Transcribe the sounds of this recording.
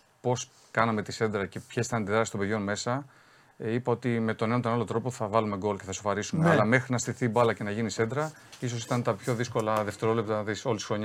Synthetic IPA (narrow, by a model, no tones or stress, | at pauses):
po̞s | kɐnɐme̞t̪ise̞nd̪ɾɐce̞pçesit̪ɐnt̪iðɾɐst̪o̞be̞ðʝo̞nme̞sɐ | ipɐo̞t̪ime̞t̪o̞nenɐt̪o̞nalo̞t̪ɾo̞po̞θɐvɐlume̞ɡo̞loceθɐso̞fɐɾisumeɐllɐme̞xɾinɐst̪iθibɐlɐce̞nɐʝinise̞nd̪ɾɐ | is̬o̞s̬it̪ɐnt̪ɐpço̞ðisko̞lɐðeft̪e̞ɾo̞lep̚t̪ɐt̪iso̞lisi̥xɾo̞ɲ